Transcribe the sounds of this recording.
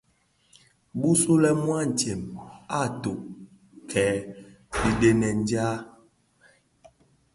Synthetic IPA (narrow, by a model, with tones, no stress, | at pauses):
bu˦su˦lɛ˦mwa˦˨n̩˨te˨ma˦to˨ʔ | kʰɛː˨˦ | bi˨de˦nɛ˨n˦d͡ʒa˦